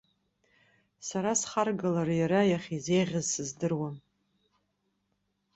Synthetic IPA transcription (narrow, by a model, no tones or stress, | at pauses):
saɾasχarɡalarjaɾajaχʲizejʁʲazsɨzdɨrwan